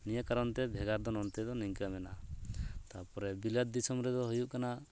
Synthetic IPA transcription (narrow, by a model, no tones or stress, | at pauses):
nijəkaɾɔnt̪ɛbʱɛɡaɾd̪ɔnɔnt̪ɛd̪ɔniŋklamɛnat̪apɔɾɛbilat̪̚d̪isɔmɾɛd̪ɔɦujuʔkana